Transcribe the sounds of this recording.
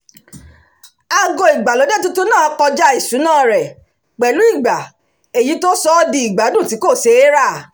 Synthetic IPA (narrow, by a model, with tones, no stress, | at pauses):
a˧ɡo˧i˨ɡ͡ba˨lo˨˦de˦tu˦tu˦nãː˦˨˦kɔ˧d͡ʒa˦i˦˨sũ˨˦nãː˦˨ɾɛ˨ | k͡pɛ˨lu˨˦i˦˨ɡ͡ba˨ | e˨ji˨˦to˦sɔ˦˧di˧i˨ɡ͡ba˨˦dũ˦˨ti˨˦ko˦˨se˧˦ɾa˦˨